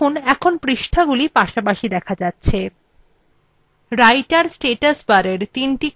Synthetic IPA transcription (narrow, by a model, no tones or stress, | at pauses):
onɛkʰonpɾiʃʈʰaɡulipaʃapaʃid̪ɛkʰad͡ʑatːɕʰe | ɾajʈaɾsʈeʈasbaɾeɾt̪inʈi